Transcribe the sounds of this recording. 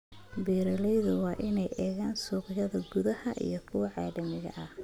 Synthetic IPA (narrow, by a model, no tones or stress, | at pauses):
biːɾɐlɛjðʊwɑːʔɪnɛjʔɛːɣaːnsuːqɪjɐðɐɡʊðɐhɐʔḭjɞkʰʊwɑʕɑːlɐmɪɣɐ̰ʔɐh